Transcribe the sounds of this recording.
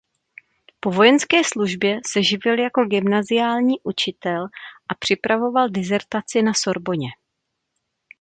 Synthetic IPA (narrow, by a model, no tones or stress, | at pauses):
po̞vo̞jɛnskɛːsluʒbjɛsɛʒɪvɪljako̞ɡɪmnazɪjaːlɲiːʔut͡ʃɪt̪ɛlʔapr̝̥ɪpɾavo̞valdɪzɛɾt̪at͡sɪnaso̞ɾbo̞ɲɛ